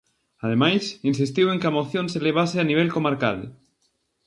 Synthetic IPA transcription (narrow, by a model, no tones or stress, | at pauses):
aðemajsinsist̪iweŋkeamoθjõnseleβ̞aseaniβ̞elkomaɾka̰ðḛ